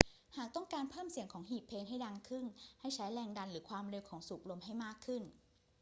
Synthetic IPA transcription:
haː˨˩k̚t̪ɔ˥˩ŋkaː˧npʰɤː˥˩msi˨˩˦əŋkʰɔː˩˦ŋhiː˨˩ppʰːeː˧nɦa˥˩jda˧ŋkʰɯ˥˩ŋha˥˩jt͡ɕʰa˦˥jlɛː˧ŋda˧nɾɯː˩˦kʰwaː˧mɾe˧wkʰɔː˩˦ŋsu˨˩k̚lo˧mɦa˥˩jmaː˥˩kʰːɯ˥˩n

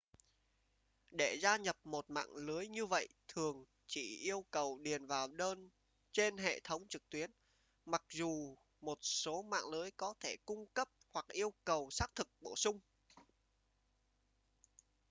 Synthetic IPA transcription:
ɗe˧˩zaː˧ɲə˨˩p̚mo˨˩t̚ma̰ː˧˨ŋlə˨˦jɲɨ˧və̰˧˨jt̪ʰɨ˨˩əŋ | t͡ɕḭ˧˩ʔi˧əwkə˨˩wɗi˨˩ənvaː˨˩wɗəː˧n | t͡ɕe˧nɦḛ˧˨t̪ʰə˨˦wŋ͡mt͡ɕɨ˨˩k̚t̪wi˨˦ən | ma˨˩k̚zu˨˩ | mo˨˩t̚so˨˦ma̰ː˧˨ŋləː˨˦əjkɔ˨˦t̪ʰe˧˩kʊ˧ŋ͡mkə˦˥p̚hwa˨˩k̚ʔi˧əwkə˨˩wsaː˦˥k̚t̪ʰɨ˨˩k̚ɓo˧˩sʊ˧ŋ͡m

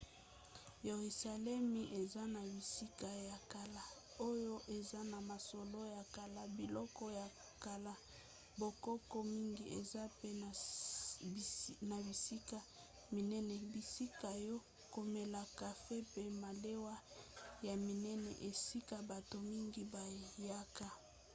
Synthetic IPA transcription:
je˨ʁi˨sa˨lɛ˦mi˨ʔe˨za˦na˨bi˨si˦ka˨ja˨ka˨la˦ | o˦jo˦ʔe˨za˦na˨ma˨so˨lo˦ja˨ka˨la˦bi˨lɔ˦kɔ˦ja˨ | ka˨la˦ | bo˨kɔ˦kɔ˦mi˦ŋɡi˦ʔḛ˨za˦pe˦n˨ | na˨bi˨si˦ka˨ | mi˨nɛ˦nɛ˨bi˨si˦ka˨jɔ˦ | ko˨me˨la˨ka˨fe˦pe˦ma˨le˦wa˦ja˨mi˨nɛ˦nɛ̰˨ʔe˨si˦ka˨ba˨to˨mi˦ŋɡi˦ba˨ja˦ka˨

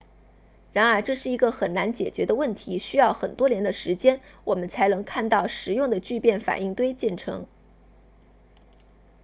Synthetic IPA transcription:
ɻa˧˥nə˞˧˥ʈ͡ʂɤ˥˧ʂɻ̩˥˩i˧˥ɡə˧xə˨˩nna˧˥nt͡ɕjɛ˨˩t͡ɕɥɛ˧˥d̪ə˧wə˥˩nt̪ʰi˧˥ɕy˥jɑ˥˩ʊxə˨˩nt̪wɔ˥njɛ˧˥nd̪ə˧ʂɻ̩˧˥t͡ɕjɛ˥nwɔ˨˩mə˦nt͡sʰa˧˥ɪnɤ˧˥ŋkʰa˥˧nt̪ɑ˥˩ʊʂɻ̩˨˧˥jʊ˥˩ŋd̪ə˩t͡ɕy˥˧pjɛ˥˩nfa̰˨˩i˥˩ŋt̪we˥ɪt͡ɕjɛ˥˩nʈ͡ʂʰɤ̰˧˥ŋ

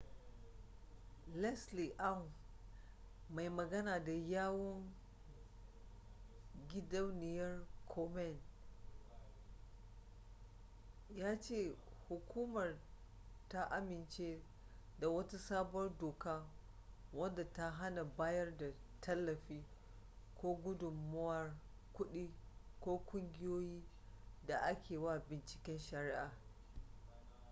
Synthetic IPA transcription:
lɛ˦sli˨ʔa˦ŋ | ma˨jmɐ˨ɡɐ˦naː˨da˨jaː˦wɔ˦ŋ | ɡʲɪ˦dɐ˦wnɪ˨jɐ˦rkʰɔ˦mɛ˦˨n | jaː˦t͡ʃeː˦˨hu˨kʰʷuː˦mɐ˨r | ta˦ʔa˦mɪ˨nt͡ʃeː˦ | da˨wɐ˦tu˦saː˦bʊ˦ɐ˦rdoː˨kaː˦ | wɐ˦nda˨ta˦ɦa˦na˨baː˦jɐ˦rda˨tʰɐ˦lːɐ˨ɸiː˦ | kʷoː˦ɡʷʊ˦dʊ˨mːʊ˦wɐ˦˨r | kʷʊ˦ɗiː˦kʷoː˦kʷʼʊ˦ŋɡʲɪ˦joː˦jiː˦ | da˨ʔa˦kʲeː˨wa˦˨bɪ˨nt͡ʃɪ̥˨kʲɪ˦nʃɐ˨ɾɪ˦ʔaː˨

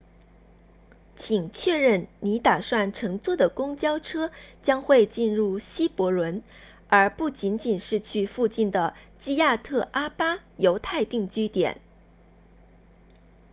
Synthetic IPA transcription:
t͡ɕʰi˨˩ŋt͡ɕʰɥɛ˥˧ɻə˥˩nni˧˥t̪a˨˩ʂwa˥˩nʈ͡ʂʰɤ˧˥ŋt͡swɔ˥˩d̪ə˩kʊ˥ŋt͡ɕjɑ˥ʊʈ͡ʂʰɤ˥t͡ɕjɑ˥ŋxwe˥˧ɪt͡ɕi˥˧nɻu˥˩ɕi˥pwɔ˧˥lwə˧˥n | ə˞˧˥pu˥˩t͡ɕi˧˥nt͡ɕi˨˩nʂɻ̩˥˧t͡ɕʰy˥˧fu˥˧t͡ɕi˥˩nd̪ə˩t͡ɕi˥ja˥˧t̪ʰɤ˥˩ʔa˥pa˥jo˧˥ʊt̪ʰa˥˧ɪt̪i˥˩ŋt͡ɕy˥t̪jɛ̰˨˩˦n

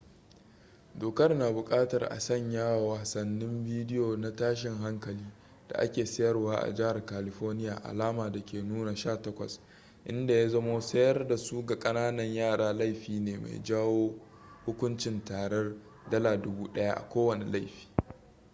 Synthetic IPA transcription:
doː˨kɐ˦rnaː˨bʊ˨kʼaː˦tɐ˨rʔa̰˨sɐ˦˨ɲjaː˦wa˨wɐ˨sɐ˨nːɪ˦mviː˦dɪ˦joː˨na˦taː˦ʃ̬ɪ˨ŋɦa˦ŋkɐ˨liː˦ | d̥a̰˨ʔa̰˦kʲeː˨sɐ˦jɐ˦rwaː˦ʔa̰˨d͡ʒɪ˦ha˨rkaː˨lɪ˨ɸɔː˦rnɪ˦jaː˨ʔa̰˨laː˦maː˨da˨kʲeː˨nuː˦na˨ʃaː˦˨tɐ˦kʷɐ̰˨s | ʔɪ̰˦nda˨ja˦zɐ˦moː˦sɐ˦jɐ˦rda˨su˦ɡa˨kʼɐ˦naː˦nɐ˨ɲjaː˦˨ɽaː˨la˦˨jɸiː˨neː˨ma̰˨jd͡ʒaː˦woː˦ | hʊ˦kʷʊ˦nt͡ʃɪ˨ntaː˨ɽɛ˦r | dɐ˦laː˨dʊ˦buː˦ɗɐ˦ja̰˦ʔa̰˨kʷoː˦wɐ˨ne˨la˦˨jɸi̥ː˦

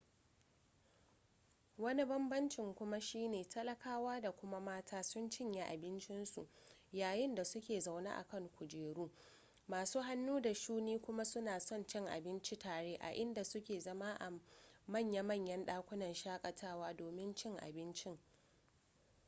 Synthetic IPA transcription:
wɐ˦ni˦bɐ˦mbɐ˦nt͡ʃɪ˨ŋkʷʊ˦ma˦ʃiː˦neː˨tʰɐ˦lɐ˨kaː˦waː˦da˨kʷʊ˦ma˦maː˦tʰaː˦sʊ˦nt͡ʃɪ˦ɲje˨ʔa̰˨bɪ˦nt͡ʃɪ˦nsu˨ʔjaː˨jɪ˦nda˨sʊ˦kʲeː˨za˨wna̰ː˦ʔa̰˨kɐ˦˨ŋkʷʊ˨d͡ʒeː˨ɽuː˦ | maː˨suː˦ɦa˦nːuː˦da˨ʃuː˦niː˦kʷʊ˦ma˦sʊ˦naː˨sɔ˦˨nt͡ʃɪ˦ŋʔa̰˨bɪ˦nt͡ʃi˦taː˨ɽeː˦ʔa̰˨ʔɪ˦nda˨sʊ˦kʲeː˨zɐ˦ma˦ʔa˨mɐ˦˨ɲja˦mɐ˦˨ɲjɐ˦nɗaː˦kʷʊ˦nɐ˨nʃaː˦kʼɐ˨tʰaː˦waː˦doː˨mɪ˦nt͡ʃɪ˦ŋʔa̰˨bɪ˦nt͡ʃɪ˦ŋ

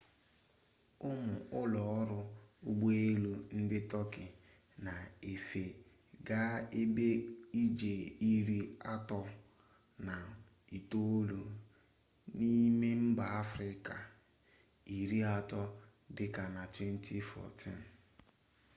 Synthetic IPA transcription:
ʊ˦mʊ˨ʊ˦lɔ˨ɔ˦ɾʊ˦ʊ˦ɡ͡bo˦e˦lu˦n̩˦dɪ˦tɔ˦kɪ˨ | na˨e˨fe˨ | ɡa˦e˦be˦i˦d͡ʒe˨i˦ɾi˦a˦tɔ˦ | na˨ | i˨to˦o˦lo˨ | ni˦me˦m̩˦ba˨a˦fɾɪ˦ka˨ | i˨ɾi˦a˦tɔ˦ | dɪ˦ka˨na˨twe˦n̩˦tʰi˦fɔ̰˨tḭ˦˨n̩˨

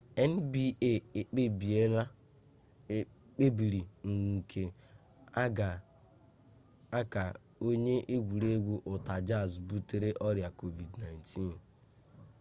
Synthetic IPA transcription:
e˦n̩˦bi˦ʔe˦˨e˨k͡pe˦bi˨e˦la˦ | e˦ | k͡pe˦bi˨ɾi˨ŋ̩˨kʰe˨˦˨ | a˦ka˨ | o˦ɲe˦ʔe˦ɡʷu˨ɾe˦ɡʷu˦ʔʊ˨ta˨d͡ʒa˦˨zbu˦te˨ɾe˦ʔɔ˦ɾja˨ko˦vi˨dna˨jntʰi˦n

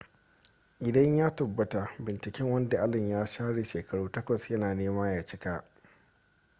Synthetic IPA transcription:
ʔɪ˨dɐ˦ɲjaː˦tɐ˨bːɐ˦ta˨bɪ˨nt͡ʃɪ˨kʲɛ˦ŋwɐ˦nda˨ʔa˦lɪ˨ɲjaː˦ʃaː˦ɽe˨ʃeː˨kɐ˦ɽuː˦tɐ˦kʷɐ˨sjɐ˦naː˨neː˦maː˦jaː˨t͡ʃɪ˦ka˦ʔ

